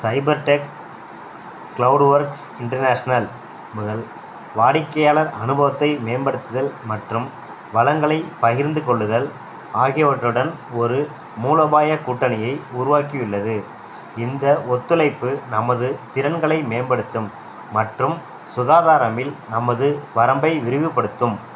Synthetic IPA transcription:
sɐɪbɐɾʈek | kɭɐʊɖʋɐɾks | ɪɳʈɐɾnaːʂɐnɐl | mʊðɐl | ʋaːɽɪkːɐjaːɭɐɾɐnɯbɐʋɐt̪ːɐɪmeːnbɐɽɯt̪ːɯðɐlmɐʈrɯm | ʋɐlɐŋɡɐɭɐɪpɐɣɪɾnd̪ɯkɔɭːɯðɐl | aːɣɪjɐʋɐʈrɯɽɐnɔɾɯ | muːlɐʋaːjɐkuːʈːɐnɐjɐɪʊɾʊʋaːkiʋɪlːɐðɯ | ɪnd̪ɐʔɔt̪ːɯlɐɪpːɯnɐmɐðɯt̪ɪɾɐnɡɐɭɐɪmeːnbɐɽɯt̪ːɯmː | ɐʈrɯm | sʊɣaːðaːɾɐmɪlnɐmːɐðɯʋɐɾɐmbɐɪʋɪɾɯʋɯpːɐɽɯt̪ːɯm

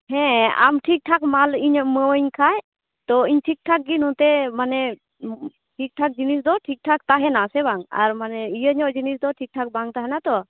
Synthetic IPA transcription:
hɛ̃a̰mʈʰik̚ʈʰakmaliɲməwəɲkʰaj | t̪ɔiɲʈʰik̚ʈʰak̚ɡinɔ̃t̪ɛmanɛ | ʈʰik̚ʈʰak̚d͡ʒinis̬d̪ɔʈʰik̚ʈʰak̚t̪aɦɛnasɛbaŋa̰ɾmanɛijəɲɔʔd͡ʒinisd̪ɔʈʰik̚ʈʰak̚baŋt̪aɦɛnat̪ɔ

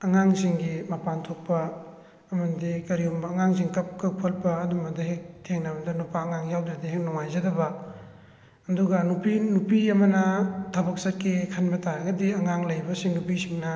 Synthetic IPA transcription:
ɐŋaŋsiŋɡimɐpantʰok̚pɐː | mɐndikɐɾiumbɐːŋaŋs̬iŋkɐp̚kɯk̚pʰɐlpɐːdumɐdɐhek̚tʰeŋnamɐdɐnupaːŋaŋjawdɾɐdiɦeŋnɔŋajzɐdɐbɐ | ɐduɡɐnupinupiɐmɐnɐtʰɐbɐk̚sɐt̚kikʰɐnbɐtaɾɐɡɐdiɐŋaŋlɐjbɐsiŋnupisiŋnɐ

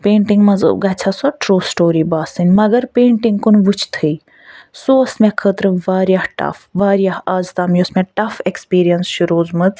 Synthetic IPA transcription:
pẽːɳʈiŋɡmɐz̰ɡɐt͡ʃʰasɔʈɾoːsʈoːɾibaːsɨnʲmɐɡɐɾpeːɳʈiŋɡkunʋut͡ʃʰt̪ʰɨi | soːɐsmɛkʰəːt̪ɾɨʋaːɾjaːhʈɐ̰fʋaːɾijaːhaːzt̪aːmjosmɛ̃ʈɐfekspiːɾijɐnsʃuɾoːzmɨd̪

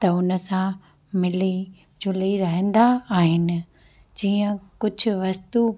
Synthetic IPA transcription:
t̪ɐʊnə̆sã | mɪli | d͡ʑʊliɾɐɦə̃n̆d̪aːɦɪnɪ̆ | d͡ʑiːə̃kʊd͡ʑʱʊ̆ʋɐst̪u

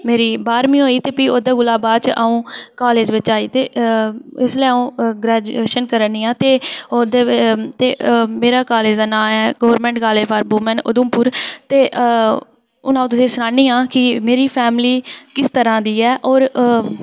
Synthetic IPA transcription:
meːɾiːbaːɾmĩːɦoːiːt̪eːpiːoːd̪aːɡʊlaːbaːd̪t͡ʃʔaːũːkaːleːd͡ʒʋɪt͡ʃaːiːt̪eː | ɪsləaũːɡɾɛːd͡ʒʊeːʃənkəɾəniːãːt̪eːoːd̪eːt̪eːmeːɾaːkaːleːd͡ʒd̪aːnãːmɛːɡoːʋəɾmɛ̃ːɳʈkaːleːpʰaːɾbuːmənʊ̰d̪ʊmpʊːɾt̪eː | ʊ̰nãːt̪̬ʊsẽːsʊnaːniːãːkɪmeːɾiːpʰɛːmliːkɪst̪əɾãːd̪iːɛːʔɔːɾ

